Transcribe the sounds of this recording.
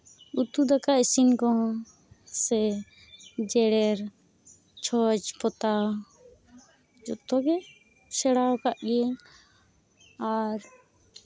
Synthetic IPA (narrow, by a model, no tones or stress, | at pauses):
ut̪ud̪akaɛsinkɔɦɔ̃ | sɛ | d͡ʒɛɽɛɾ | t͡ʃʰɔd͡ʒpɔt̪a | d͡ʒɔt̪ɔɡɛ | sɛɽawkaʔɡiɛŋ | aɾ